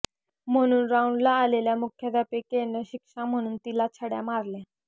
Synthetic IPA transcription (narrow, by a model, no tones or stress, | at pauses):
m̤əɽ̃uːnɾauɳɖlaːleljamukʰjad̪apekenəɕikʂam̤əɽ̃uːnt̪ilat͡sʰəɽja̰maɾlẽ